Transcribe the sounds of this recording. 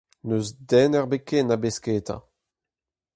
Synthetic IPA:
nøzdɛnɛʁbekenabeskeːt̪ã̰

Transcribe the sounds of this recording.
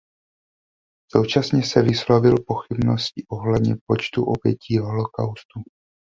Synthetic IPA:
sowt͡ʃasɲɛsɛvɪslovɪlpo̞xɪbnoscɪʔo̞ɦlɛd̪ɲɛ̰p̚o̞t͡ʃt̪uʔo̞bjɛciːɦo̞lo̞kawst̪u

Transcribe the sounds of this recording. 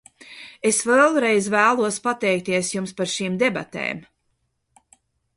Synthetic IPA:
esvelˠɾejzvæːlˠuɔspat̪ɛjk̚t̪iɛsjumspaɾʃiːmd̪eba̰t̪ḛːm

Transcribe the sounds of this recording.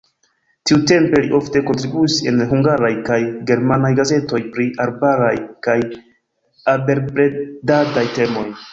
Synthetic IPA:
tiute̞mpe̞liʔo̞fte̞ko̞ntɾibuise̞̰nɦuŋɡaɾajkajɡe̞ɾmanajɡaze̞to̞jpɾiaɾbaɾajkaj | abe̞ɾpɾe̞dadajte̞mo̞j

